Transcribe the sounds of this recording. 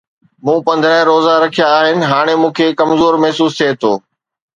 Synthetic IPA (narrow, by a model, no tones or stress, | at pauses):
mũːpɐ̃nd̪ʱɾəɦɪ̃ɾoːzaɾɐkʰijaːɦɪnɪ̆ɦaːɽ̃emũːkʰeːkɐmzoːɾmɛɦsuːst̪ʰiet̪ʰoː